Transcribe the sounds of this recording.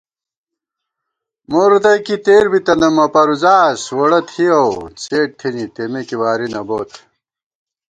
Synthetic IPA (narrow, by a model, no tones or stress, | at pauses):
moːɾd̪ɐjkit̪eːɾbit̪ɐnɐmɐpɐɾuzaːswɐɽɐt̪ʰhiɐwt͡seːʈ̚t̪ʰinit̪emekiwaːɾinɐboːt̪